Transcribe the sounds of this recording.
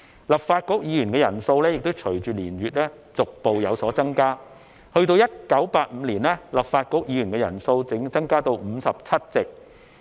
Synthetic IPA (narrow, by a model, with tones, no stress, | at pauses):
lɐ˨˩p̚faː˧t̚kʊ˨˥k̚jiː˨˧jyː˨˩nŋkɛː˧jɐ˨˩nso˧wlɛː˥jɪ˨k̚t̪o˥wt͡ʃʰɵ˨˩ɥt͡ʃyː˨liː˨˩nɥyː˨t̚lɛː˥ | t͡sʊ˨k̚po˨wjɐ˨˧wsɔː˨˥t͡sɐ˥ŋkaː˥ | hɵ˧ɥt̪o˧wjɐ˥t̚kɐ˨˥wpaː˧t̚m̩ː˨˧liː˨˩nlɛː˥lɐ˨p̚faː˧t̚kʊ˨˥k̚jiː˨˥jyː˨˩ŋkɛ˧jɐ̰˨˩nso˧wt͡sɪ˨˥ŋt͡sɐ˥ŋkaː˥t̪o˧wm̩ː˨˧sɐ˨p̚t͡sʰɐ˥t̚t͡sɪ˨k̚